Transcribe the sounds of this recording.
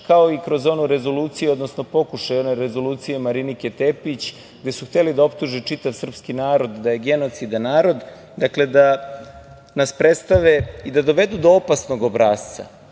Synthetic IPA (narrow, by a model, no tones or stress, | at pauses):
kao̞ikɾo̞zo̞nuɾe̞zo̞luːt̪sijuo̞d̪no̞sno̞po̞kuʃajo̞ne̞ɾe̞zo̞luːt̪sije̞maɾiniket̪epit͡ɕ | ɡd̪e̞suxt̪e̞lid̪ao̞pt̪uʒit͡ʃit̪aʋsr̩pskinaːɾo̞d̪d̪aje̞ɡe̞not̪sid̪anaːɾo̞d̪ | d̪akle̞d̪a | naspɾe̞t̪st̪aʋeid̪ad̪o̞ʋe̞d̪ud̪o̞opasno̞ɡobɾaːst̪sa̰